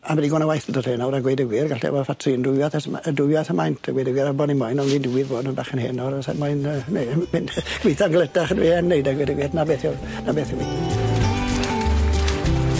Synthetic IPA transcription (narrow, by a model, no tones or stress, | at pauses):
avɛdiɡɔnawajθədɔtʰeːnawɾaɡwejdəɡwɪrɡaɬiɛ̰vɔfatʰrɨndʊaθɛsmədʊjaθəmajntʰəɡwejdəɡwɪɾabɔdninmɔjnɔniːndɪwɪðboːdnənbaχənheːnɔɾəsɛmɔjnənemɪnɡ̥wiθanɡlˠədaχənwḭhɛnːejdaɡwejdəɡwɪdnabeːθjɔ | nabeːθjɔi